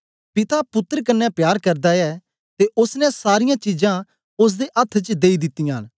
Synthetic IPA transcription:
pɪt̪apʊt̪ːəɾkɐnːɛpjaːɾkɐɾd̪aɛː | t̪eʔʊsnɛ̃saːɾɪjãt͡ʃid͡ʒã | ʊs̬d̪eʔɐt̪ʰːt͡ʃd̪eːid̪ɪt̪ːɪjãːn

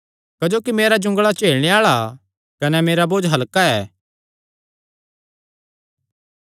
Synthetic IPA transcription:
kɐd͡ʒoːkimeːɾad͡ʒʊ̃ŋɡɭat͡ʃeːɭɽ̃eaːɭa | kɐnɛmeːɾaboːd͡ʒɦɐlkaɛː

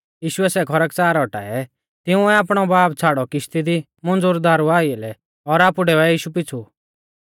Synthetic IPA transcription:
jiːʃʊɛsɛkʰɔɾɛkt͡saːɾɔʈa̰ːɛ | t̪ɪũɛaːpɽ̃ɔbaːpt͡sʰaːɽɔkɪʃt̪id̪i | mɔ̃nd͡zʊɾd̪aːɾuaːiɛlɛ | ɔɾaːpuɖeːɛjiːʃupɪt͡sʰu

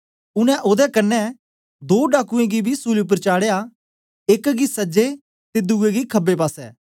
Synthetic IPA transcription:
ʊnɛ̃ʔoːd̪ɛkɐnːɛ | d̪oːɖaːkuẽɡibʱisuːliʊp̬əɾt͡ʃaːɽeːja | ekɡisɐd͡ʒe | t̪ed̪uɡeɡikʰɐbːepaːsɛ̰ː

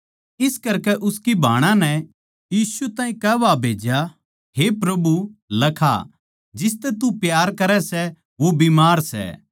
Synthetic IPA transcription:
ɪskɐɾkɛʔʊskibʱaːɽ̃ãnɛ | jiːsut̪ãːɦĩkɛːʋabʱeːd͡ʒja | ɦepɾɐbulɐkʰa̰ | d͡ʒɪs̬t̪ɛt̪upjaːɾkɐɾɛsɛ | ʋobimaːɾsɛ̰

